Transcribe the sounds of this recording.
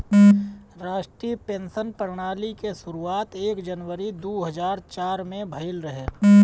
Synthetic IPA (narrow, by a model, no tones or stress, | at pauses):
ɾaːʃʈɾiːpẽːnsənpəɾɽ̃aːlikesʊɾuaːt̪eːkd͡ʒənwəɾid̪uːɦəzaːɾt͡ʃaːɾmẽbʱɐɪlɾəɦeː